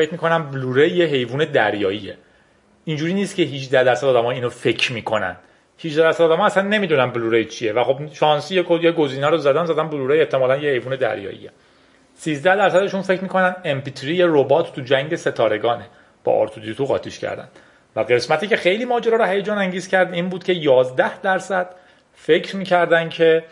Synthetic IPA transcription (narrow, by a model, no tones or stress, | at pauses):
fecʰmikʰo̞næmbluɾejːeɦe̞jvuːne̞d̪æɾjɒːije | ind͡ʒuːɾiːniːst̪cʰeɦid͡ʒd̪æhd̪æɾsæd̪ɒːd̪æmːjiːnofe̞cʰɾmiːkʰo̞næ̰n̥ | hid͡ʒd̪æd̪æɾsæd̪ɒːd̪æmɒːæsænːe̞miːd̪uːnænbluːɾejt͡ʃʰijevæxo̞bʃɒːnsijekʰojeɡo̞ziːnæɾozæd̪ænzæd̪ænbluɾejeht̪ʰːemɒːlænjehejvuːne̞d̪æ̰ɾjɒ̰ːʔḭje | siːzd̪æhd̪æɾsæd̪e̞ʃuːnfe̞cɾmiːko̞nænd̪empit̪ʰɾiːjeɾobɒːt̪ʰt̪ːud͡ʒæŋɟe̞se̞t̪ʰɒːɾe̞ɡɒːne | b̥ɒ̰ʔɒ̰ɾt̪ʰod̪iot̪uɣɒ̰ːt̪ʰiʃcʰæ̰ɾd̪æ̰n | væɣe̞smæt̪ʰiːce̞xe̞jliːmɒːd͡ʒeɾɒːɾohæjed͡ʒɒːnæŋɟiːzcʰæɾd̪iːnbuːd̪̥cʰe̞jɒːzd̪æhd̪æɾsæd̪̥ | fe̞cʰɾmiːcʰæɾd̪æncʰe̞